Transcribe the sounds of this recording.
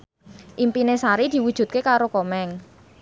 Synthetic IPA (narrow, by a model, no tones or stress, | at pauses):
ʔimpinesaɾid̪̥i̤wud̥ʒ̥ṳt̪̚kekaɾokomɛŋ